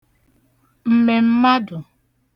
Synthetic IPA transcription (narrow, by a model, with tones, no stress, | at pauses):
m̩˦me˨m̩˦ma˦dʊ˨